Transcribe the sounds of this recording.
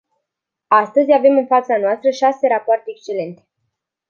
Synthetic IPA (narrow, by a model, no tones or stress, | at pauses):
ast̪əzʲave̞mɨnfat̪sanoast̪ɾəʃase̞ɾapoart̪eːkst͡ʃe̞le̞nt̪e̞̥